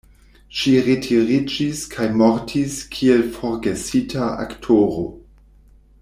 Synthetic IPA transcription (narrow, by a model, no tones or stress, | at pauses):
ʃiɾetʰiɾid͡ʒiskʰajmoɾtʰiskʰielfoɾɡesitʰaa̰ktʰoɾo̰